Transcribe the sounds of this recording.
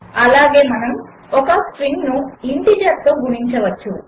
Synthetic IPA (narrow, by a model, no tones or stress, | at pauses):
ɐlaːɡe̞ːmɐnɐm | ɔkɐspɾiŋɡnuiɳʈid͡ʒɐɾt̪oːɡuɾiɲt͡ʃɐʋɐt͡ʃːu